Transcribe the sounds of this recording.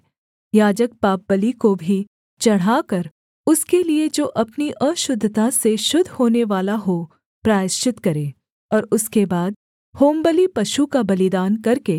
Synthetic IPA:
jaːd͡ʒək̚paːp̚bəlikobʱi | t͡ʃɐɽ̤aːkɐɾ | ʊskelied͡ʒoːʔɐpniʔə̃ʃʊd̪ʱːt̪aseʃʊd̪ʱhoːneʋaːlaɦo | pɾaːjɪʃɪt̪kɐɾẽː | ɔːɾʊskebaːd̪ | hoːmbəlipɐʃukabɐlɪd̪aːnkɐɾke

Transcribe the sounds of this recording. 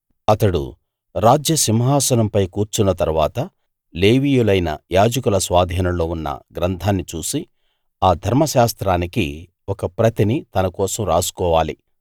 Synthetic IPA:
ɐt̪ɐɽṵ | ɾaːd͡ʒjɐsimɦaːsɐnɐmpɐjkuːɾt͡ʃunːɐt̪ɐɾuʋaːt̪ɐ | leːʋiːjulɐjnɐ̰jaːd͡ʒɐkulɐsʋaːd̪ʱiːnɐlo̞ːunːɐ̰ɡɾɐnt̪ʰaːnːit͡ʃuːsi | aːd̪ʱɐɾmɐʃaːst̪ɾaːniki | wɔkɐpɾɐt̪init̪ɐnɐkɔːsɐmɾa̰ːsu̥kɔːʋaːlḭ

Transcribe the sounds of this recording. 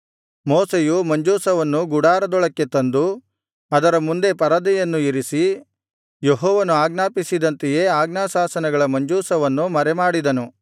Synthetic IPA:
moːsejumɐɲd͡ʒuːsɐʋɐnːuɡuɽaːɾɐd̪ɔɭɐkːe̞t̪ɐnd̪u | ɐd̪ɐɾɐmund̪e̞pɐɾɐd̪ɛjɐnːuiɾisi | jeɦɔːʋɐnuaːɡnaːpisid̪ɐnt̪ɛjeːaːɡnaːsaːsɐnɐɡɐɭɐmɐɲd͡ʒuːsɐʋɐnːumɐɾɛmaːɽid̪ɐnu

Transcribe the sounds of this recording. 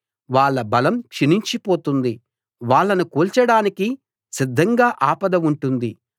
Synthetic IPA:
ʋaːɭːɐbɐlɐmkʂiniɲt͡ʃipo̞ːt̪und̪i | ʋaːɭːɐnukuːlt͡ʃɐɽaːniki | sid̪ʱːɐŋɡaːʔaːpɐd̪ɐmuɳʈund̪i

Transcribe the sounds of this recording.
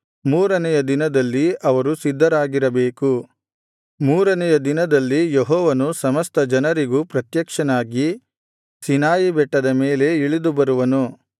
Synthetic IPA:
muːɾɐnɛjɐd̪inɐd̪ɐlːiɐʋɐɾusid̪ʱːɐɾaːɡiɾɐbeːku | muːɾɐnɛjɐd̪inɐd̪ɐlːijeɦɔːʋɐnusɐmɐst̪ɐd͡ʒɐnɐɾiɡupɾɐt̪jɐkʂɐnaːɡi | sinaːjibɛʈːɐd̪ɐmeːle̞iɭid̪ubɐɾuʋɐnu

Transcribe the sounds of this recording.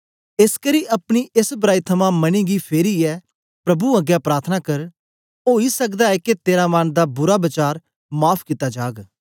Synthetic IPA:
ɪskəɾiʔɐpɽ̃iesbɾaːit̪ʰɐmãmɐñĩɡipʰeːɾiɛː | pɾɐbuɐɡjapɾaːɾt̪ʰənakɐɾ | oːisɐkd̪aɛket̪eːɾamañd̪abʊɾabɐt͡ʃaːɾ | maːpʰkɪt̪ad͡ʒaːɡ

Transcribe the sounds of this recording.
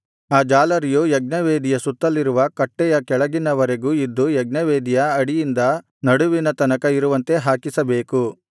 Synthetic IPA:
aːd͡ʒaːlɐɾijujɐɡ̚nɐʋeːd̪ijɐsut̪ːɐlːiɾuʋɐkɐʈːɛjɐkɛɭɐɡinɐʋɐɾe̞ɡuːid̪ːujɐɡnɐʋeːd̪ijɐɐɽijind̪ɐ | nɐɽuʋinɐt̪ɐnɐkɐiɾuʋɐnt̪e̞ɦaːkisɐbeːku

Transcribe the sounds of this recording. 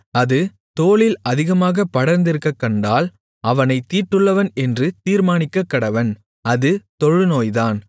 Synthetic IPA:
ɐðɯ | t̪oːlɪlɐðɪɣɐmaːɣɐpːɐɽɐɾnd̪ɪɾɯkːɐkːɐɳɖaːl | ɐʋɐnɐɪt̪ːiːʈːɯɭːɐʋɐnɛndrɯt̪iːɾmaːnɪkːɐkːɐɽɐʋɐn | ɐðɯt̪ɔɻɯnoːjðaːn

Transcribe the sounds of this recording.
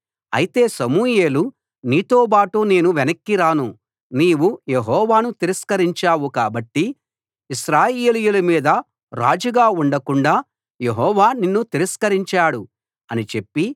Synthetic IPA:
ɐ̰jit̪e̞ːsɐmuːje̞ːlu | niːt̪oːbaːʈune̞ːnuʋenɐkːiɾaːnu | niːwuje̞ɦɔːʋaːnut̪iɾiskɐɾiɲt͡ʃaːwuka̰ːbɐʈːi | iʃɾaːjeːlijulɐmiːd̪ɐ | ɾa̰ːd͡ʒuɡaːuɳɖɐkuɳɖaː | je̞ɦɔːʋaːninːut̪iɾɐskɐɾiɲt͡ʃaːɽu | ɐnit͡ʃe̞pːi

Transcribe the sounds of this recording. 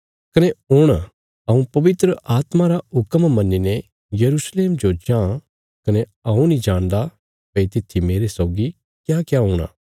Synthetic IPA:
kɐneoːɽ̃a | ɐũpɐʋɪt̪ɾəʔaːt̪maɾaʊkəmmɐnːinɛ | jɐɾuːsleːmd͡ʒod͡ʒãː | kɐneɐũnĩd͡ʒãːɽ̃d̪a | pɐit̪ɪt̪ʰːimeːɾesɔːɡi | kjaːkjaɦoːɽ̃a̰ː

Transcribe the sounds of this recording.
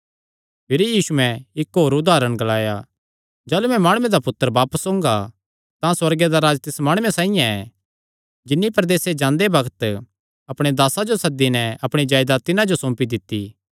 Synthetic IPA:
pʰɪɾijiːsuɛ̃ɪkɦoːɾʊd̪aːɾəɽ̃ɡɐlaːja | d͡ʒaːlumɛ̃maːɽ̃ʊmẽd̪apʊt̪ːəɾbaːpəsõːŋɡa | t̪ãswɐɾɡed̪aɾaːd͡ʒt̪ɪsmaːɽ̃ʊːẽsãːĩjãɛ | d͡ʒɪnːipɾɐd̪eːsed͡ʒãːnd̪ebɐɡət̪ | ɐpɽ̃ed̪aːsad͡ʒosɐd̪inɛɐpɽ̃id͡ʒaːjd̪at̪ɪnãd͡ʒosõːmpid̪ɪt̪ːi

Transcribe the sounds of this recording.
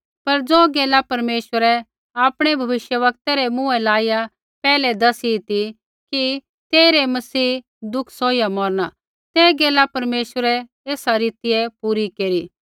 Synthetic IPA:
pɐɾd͡zoːɡeːlapɐɾmeːʃʋəɾɛ | aːpɽ̃ebʱɐʋɪʃjəʋɐk̚t̪aɾemũɛ̃laːɪja | pɛːlɛd̪ɐsit̪i | ki | t̪eːɾemɐsiː | d̪ʊkʰsoːijamɔːɾña | t̪ɛːɡeːlapɐɾmeːʃʋəɾɛ | eːsaɾiːt̪ɪjepuːɾikeːɾiː

